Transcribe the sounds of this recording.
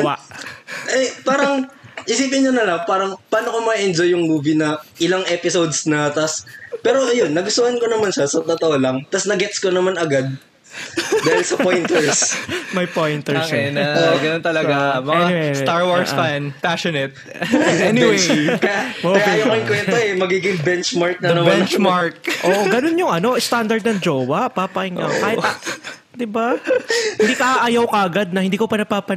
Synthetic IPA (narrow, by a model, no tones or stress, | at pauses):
ʔɛpaːɾɐŋʔɪsiːp̬ɪɲːonɐlɐŋpaːɾɐŋpaːnokomɐʔɛnd͡ʒojːʊŋmuːvinɐʔɪlaŋʔɛpɪsowd̪snɐt̪ɐspɛːɾoʔɐjonːɐɡʊst̪ʊhɐnkonɐmanʃɐsɐt̪ot̪ɐʔolɐŋt̪ɐsnɐɡɛt̪skonɐmanɐɡad̪̚ | d̪aːhɪlsɐpojnt̪ɛɹsmɐjpojnt̪ɛɹsɛnɐoɡɐnont̪ɐlɐɡamɐɛŋanɪwst̪aɹwaɹsfanpaʃonɛt̪̚ | ɛnɪwejkɐjamɐjajoɪŋkwɛnt̪oɛmɐɡiːɡɪŋbɛnt͡ʃmaɹk̚nɐnɐbɛnt͡ʃmaɹk̚ʔoʔɡɐnonjʊŋʔɐno̞ʔɪst̪and̪ɐɾd̪̚nɐŋd͡ʒoːwɐpaːpɐʔɪŋɐaːhɪt̪ | d̪ɪbaɪnd̪iːkɐaʔɐjɐwkɐʔɐɡad̪̚nɐhɪnd̪iːkopɐnɐpaːpɐ